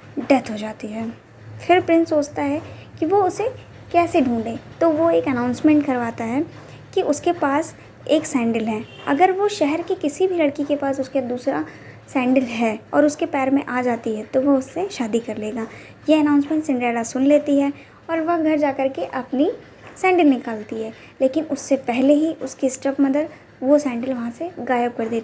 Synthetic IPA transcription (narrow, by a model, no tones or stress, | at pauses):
ɖɛt̪ɦod͡ʒaːt̪iɦɛː | fʰɪɾpɾɪ̃nsoːt͡ʃt̪aɦɛkiʋoʊse | kɛːseɖʱũːɳɖẽːt̪oʋoeːkɐnãːʊ̃nsmɛ̃ːɳʈkɐɾʋaːt̪aɦɛː | kiʔʊskepaːs | eːksɛ̃ːɳɖəlɦɛː | ɐ̰ɡəɾʋoʃɛɦɛɾkikɪsibʱilɐɽkikepaːsʊsked̪uːsɾa | sɛ̃ːɳɖəlɦɛːɔ̰ːɾʊskepɛːɾmẽʔaːd͡ʒaːt̪iɦɛt̪oʋoʊsːeʃaːd̪ikɐɾleːɡaː | jeɐnãːʊnsmɛ̃ːɳʈsɪ̃ɳɖɾɛːɖasʊnleːt̪iɦɛ | ɔːɾʋɐɡʱɐɾd͡ʒaːkɐɾkeʔɐpni | sɛ̃ːɳɖəlnɪkaːlt̪iɦɛː | leːkɪnʊsːepɛɦleɦiʔʊskisʈɐpmɐd̪əd̪ | ʋosɛ̃ːɳɖəlʋɐɦãseɡaːjəb̚kɐɾd̪eːt̪